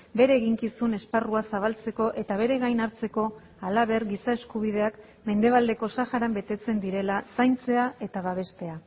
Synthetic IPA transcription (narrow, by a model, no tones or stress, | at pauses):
be̞ɾe̞ːɣiŋkisune̞sparuasaβ̞alt͡se̞ko̞ʔe̞t̪aβe̞ɾe̞ɣajnaɾt͡se̞ko̞ | alaβ̞e̞ɾɡisae̞skuβ̞ið̞e̞ak | me̞nd̪e̞βald̪e̞ko̞saxaɾambe̞t̪e̞t͡se̞nd̪iɾe̞lasajnt͡se̞ae̞t̪aβaβ̞e̞st̪e̞a